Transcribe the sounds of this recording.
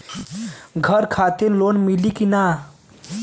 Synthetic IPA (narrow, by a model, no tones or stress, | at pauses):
ɡʱəɾkʰat̪iɾlonmilikina